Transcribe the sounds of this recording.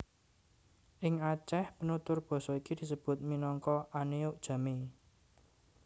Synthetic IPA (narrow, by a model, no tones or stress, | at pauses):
ʔɪŋat͡ʃɛhpənut̪ʊrb̥ɔ̤sɔikid̪̥i̤səb̥ʊ̤t̪̚minɔŋkɔʔaneʊʔd̥ʒ̥a̤me